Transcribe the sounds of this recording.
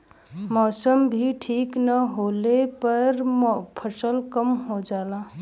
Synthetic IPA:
mɔsəmbʱiʈʰiknəɦolepəɾpʰəsəlkəmɦod͡ʒala

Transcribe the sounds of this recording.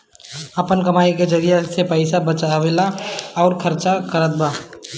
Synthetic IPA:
əpənkɐmaːiked͡ʒəɾijesepəɪsabət͡ʃaʋelaɔːɾkʰəɾt͡ʃakəɾət̪̚baː

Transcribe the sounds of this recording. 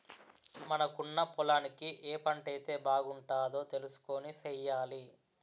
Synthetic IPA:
mɐnɐkuɳːɐpɔlaːnikiʔɛːpɐɳʈɐjt̪e̞ːbaːɡuɳʈaːd̪o̞ːt̪e̞lusu̥ko̞ːnisɛjːaːli

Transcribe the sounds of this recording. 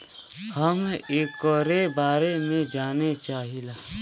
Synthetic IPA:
hɐmeːkɔːɾebaːɾemẽd͡ʒaːnet͡ʃaːɦilaː

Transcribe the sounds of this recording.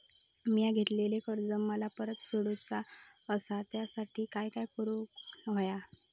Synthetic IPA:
mijaɡʱet̪lelekəɾd͡zəmmːəlapəɾət̪feɽut͡saəsat̪jasaʈʰiːkajkajkəɾũnʋəja

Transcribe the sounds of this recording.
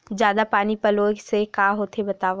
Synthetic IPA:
zjaːd̪apaːnipɐloːksekaːɦoːt̪ʰebɐt̪aːʋ

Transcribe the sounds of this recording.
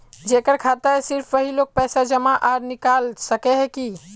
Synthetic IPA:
d͡ʒekəɾkʰat̪əsiɾpʰʋəɦilok̚pɛsad͡ʒəmaʔaɾnikalsəkeɦɛki

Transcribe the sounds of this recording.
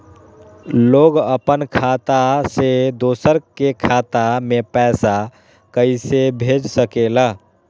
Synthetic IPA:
loɡəpənkʰat̪ased̪osəɾkekʰat̪amepɛsa | kəɪsebʱed͡ʒsəkeləɦ

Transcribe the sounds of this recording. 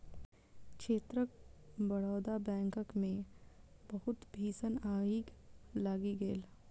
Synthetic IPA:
kʃeːt̪ɾək̚bɐɽɔːd̪abɛ̃ːŋkəkmẽbɐɦʊt̪bʱiːsənaːiːklaːɡiɡeːl

